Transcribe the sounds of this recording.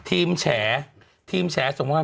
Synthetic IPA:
t̪ʰiː˧mt͡ɕʰɛː˩˦ | t̪ʰiː˧mt͡ɕʰɛː˩˦so˨˩˦ŋkaː˧˥

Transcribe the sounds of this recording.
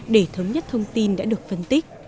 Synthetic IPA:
ɗe˧˩t̪ʰəː˨˦mɲə˦˥t̚t̪ʰə˧wŋ͡mt̪i˧nɗa̰ː˧˥ɗɨ˨˩ək̚fə˧nt̪i˦˥k̚

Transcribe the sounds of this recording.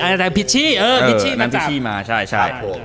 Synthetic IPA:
ʔa˧da˨˧˩pʰi˦˥t̪̚t͡ɕʰiː˥˩ʔɤː˧˩ʔɤiː˦˧˩t͡ɕʰiː˥˩na˧˥npʰi˧t̪ʰiː˥˩maː˧t͡ɕʰa˥˩jt͡ɕʰa˥˩jo˧˩

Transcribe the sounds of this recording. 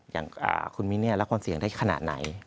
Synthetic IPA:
ja̰ː˨˩ŋʔa̰ː˧˩kʰu˧nmi˧˦˥ni˥˩la˦˥kʰaː˧nsi˨˩˦əŋdaː˥˩jkʰa˧na̰ː˨t̪̚na̰˩˦j

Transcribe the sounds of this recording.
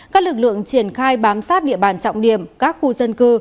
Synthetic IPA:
kaː˦˥k̚lɨ˨˩k̚lɨ̰˧˨əŋt͡ɕi˧˩ənxaː˧jɓaː˨˦msaː˦˥t̚ɗḭ˧˨əɓaː˧˩nt͡ɕɔ̰˧˨wŋ͡mɗi˧˩əmkaː˦˥k̚xu˧zə˧nkɨ˧

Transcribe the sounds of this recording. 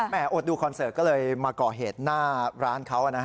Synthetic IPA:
mɛː˧˩ʔo˨˩t̪̚duː˧kʰɔ˧nsɤː˨˩t̪̚kɔ˥˩lɤː˧jmaː˧kɔː˨˩ɦeː˨˩t̪̚naː˥˩ɾaː˦˥nkʰa˦˥wʔa˨˩na˦˥

